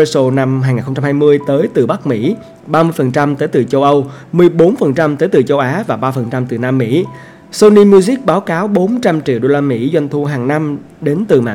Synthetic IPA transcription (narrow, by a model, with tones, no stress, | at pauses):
so˧na˧mhɦaː˧jŋaː˨˩nxwŋ͡mt͡ɕa˧mhaː˧jmɨ˧əjt̪əː˨˦jt̪ɨ˨˩ɓa˦˥k̚mḭ˧˥ | ɓaː˧mɨ˧əjfə˨˩nt͡ɕa˧mt̪əː˨˦jt̪ɨ˨˩t͡ɕə˧wʔə˧wmɨ˨˩əjɓo˨˦nfə˨˩nt͡ɕa˧mt̪əː˨˦jt̪ɨ˨˩t͡ɕə˧wʔaː˨˦vaː˨˩ɓaː˧fə˨˩nt͡ɕa˧mt̪ɨ˨˩naː˧mːḭ˧˥ | so˧ni˧mju˧zi˦˥k̚ɓaː˨˦wkaː˨˦wɓo˨˦nt͡ɕa˧mt͡ɕḭ˧˨wɗo˧laː˧mḭ˧˥zwa˧jŋ̟t̪ʰu˧ɦaː˨˩ŋna˧m | ɗe˨˦nt̪ɨ˨˩ma̰ː˧˨